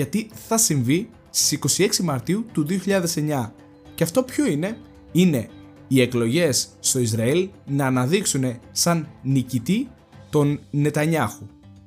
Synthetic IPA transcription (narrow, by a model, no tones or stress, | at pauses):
ɐt̪iθɐsiɱvi | st̪i̥siko̞sie̞ksimɐɾt̪iut̪uðio̞çiʎɐðe̞se̞ɲɐ | ceɐft̪o̞pço̞ine̞ | ine̞ | ie̞klo̞ʝe̞sːt̪o̞izɾɐilnɐːnɐðiksune̞sɐnːicit̪i | t̪o̞nne̞t̪ɐɲɐxu